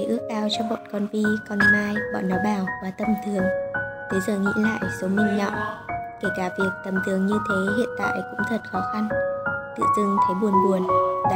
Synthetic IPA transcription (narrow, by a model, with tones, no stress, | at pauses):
ʔɨ˦˥ək̚kaː˧wt͡ɕɔ˧ɓɔ̰˧˨nkɔ˧nvi˧kɔ˧nŋaː˧jɓɔ̰˧˨nːɔ˨˦jɓaː˧˩wvaː˨˩t̪ə˨˩mt̪ʰɨ˨˩əŋt̪ʰe˨˦zəː˨˩ŋḭ˧˥la̰ː˧˨jso˨˦mï˧˩ŋ̟ɲɔ̰˧˨ʔke˧˩kaː˧˩vi˨˩ək̚t̪ə˨˩mt̪ʰɨ˨˩əŋɲɨ˧t̪ʰe˨˦ɦḭ˧˨ənt̪a̰ː˧˨jkʊ̰˧˥ŋ͡mt̪ʰə˨˩t̚xɔ˨˦xa˧nt̪ɨ̰˧˨zɨ˧ŋt̪ʰe˨˦ɓu˨˩ənɓu˨˩ən˧